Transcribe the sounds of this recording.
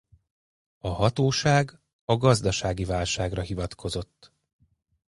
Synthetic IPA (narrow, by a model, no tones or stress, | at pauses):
ɒɦɒt̪oːʃaːɡ | ɒɡɒzd̪ɒʃaːɡivaːlʃaːɡrɒɦivɒt̪kʰo̞zo̞t̪ː